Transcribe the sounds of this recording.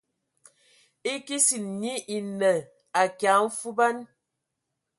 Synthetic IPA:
i˦ki˦si˨n˨ni˦ʔi˨nə˨ | a˨kja˨˦m̩˦fu˦ba˦n

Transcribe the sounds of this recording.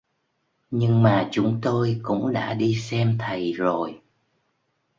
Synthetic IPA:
ɲɨ˧ŋmaː˨˩t͡ɕʊ˨˦ŋ͡mt̪o˧jkʊ̰˧˥ŋ͡mɗa̰ː˧˥ɗi˧sɛ˧mt̪ʰə˨˩jzo˨˩j

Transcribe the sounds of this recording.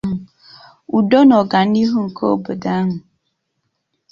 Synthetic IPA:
ɦʊ˨ | u˨dɔ˦nɔ˨ɡa˨n̩˦i˦ɦu˦ŋ̩˨kʰo˦o˦bo˨da˦ɦʊ˨

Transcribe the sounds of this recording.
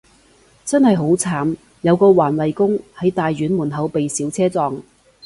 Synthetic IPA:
t͡sɐ˥nhɐ˨jɦo˨˥wt͡sʰaː˨˥m | jɐ˨˧wkɔː˧waː˨˩nwɐ˨jkʊ˥ŋhɐ˨˥jt̪aː˨jɥyː˨˥nmuː˨˩nɦɐ˨˧wpe˨jsiː˨˥wt͡sʰɛː˥t͡sɔː˨˧ŋ

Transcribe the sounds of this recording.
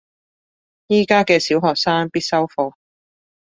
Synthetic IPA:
jiː˥kaː˥kɛː˧siː˨˥wɦɔː˨k̚saː˥ŋpiː˥t̚sɐ˥wfo˨˧w

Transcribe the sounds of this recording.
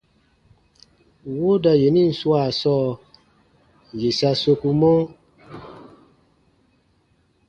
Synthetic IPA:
wo˦da˨je˨ni˦˨n̩˨su˦a˨sɔː˦˨ | je˨sa˧so˧ku˧mɔ˦

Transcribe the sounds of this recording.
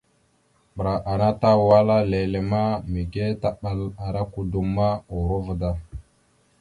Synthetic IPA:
bə˨ɾa˨ʔa˨na˦ta˦wwa˦la˦le˨le˨ma˦mi˨ɡe˦ta˦ɓa˨la˨ɾa˦ku˨du˨mːa˦o˨ɾo˦və˨da˦

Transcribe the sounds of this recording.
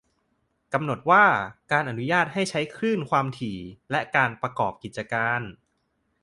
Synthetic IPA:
ka˧mno˨˩t̪̚waː˥˩kaː˧nʔa˨˩nu˦˥jaː˥˩t̪̚ɦa˥˩jt͡ɕʰa˦˥jkʰɾɯː˥˩nkʰwaː˧mt̪ʰiː˨˩˦lɛ˦˥kaː˧npɾa˧kɔː˨˩p̚ki˨˩t̪̚t͡ɕa˧kaː˧n

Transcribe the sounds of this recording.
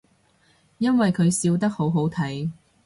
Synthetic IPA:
jɐ˥nwɐ˨jkʰɵ˨˧ɥsiː˧wt̪ɐ˥k̚ho˨˥wɦo˨˥wt̪ʰɐ˨˥j

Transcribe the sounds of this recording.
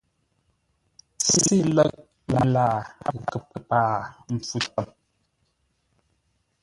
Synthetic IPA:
t͡si˦i˦lə˦k̚ | la˨laː˦˨a̰˦˨kə˨pə˨paː˦˨m̩˨p͡fu˦tə˦˨m

